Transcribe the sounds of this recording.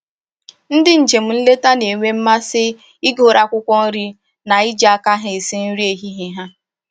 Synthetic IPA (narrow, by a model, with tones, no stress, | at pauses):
n̩˦dɪ˦n̩˨d͡ʒe˨m̩˦n̩˦le˦ta˦ne˨ŋʷe˦m̩˦ma˦sɪ˦ | i˦ɡo˨ɾa˨kʷʊ˦kʷɔ˦n̩˦ɾi˦ | na˨i˦d͡ʒa˦˨ka˦ɦɪ˨sɪ˦n̩˦ɾi˦e˨ɦi˦ɦi˨ɦa˦